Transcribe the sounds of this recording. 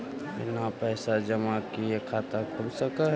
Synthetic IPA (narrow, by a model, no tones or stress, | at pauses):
ɪ̰napɛːsad͡ʒəmakiekʰaːt̪akʰʊlsəkaɦ